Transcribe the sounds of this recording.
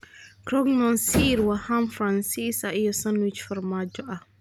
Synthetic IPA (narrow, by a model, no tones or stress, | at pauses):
kɾɔɡmɔnsiɾwahamfɾansisaʔijɔsanwɪt͡ʃfɐrmaːd͡ʒɔʔɐh